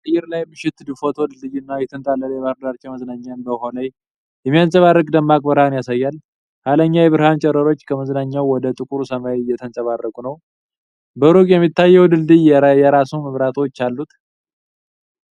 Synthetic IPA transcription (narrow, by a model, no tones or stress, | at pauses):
sɨjɪɾlajbɨʃɪt̪d̪ɨfot̪ʰɔd̪ɨlːɨjɪnːajɛt̪ʰɨnt̪ʼalːəljɛβaɾd̪aɾt͡ʃːɛwməznaɲːanbəɦonəj | jɛmijansʼəβarːəkʼd̪əmːakʼbɨɾhanjasajːal | kaləɲːajɛβɨɾhant͡ʃʼɛɾəɾo̞t͡ʃːkʰəməznaɲːawwɔd̪ət̪ʼɨkʼuɾusəmajjːɛt̪ʰənsʼəβarːəkʼunəw | bəɾukʼjɛmːit̪ːajːɛwd̪ɨlːɨjɛɾajɛɾasuməβɾat̪ʰo̞t͡ʃːalːut̪